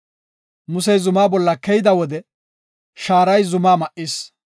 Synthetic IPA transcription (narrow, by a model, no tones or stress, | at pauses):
mʊs̬ɛjzʊmaːbɔlːɐkɛjɪd̪ɐwɔd̪ɛ | ʃaːɾɐjzʊmaːmɐʔis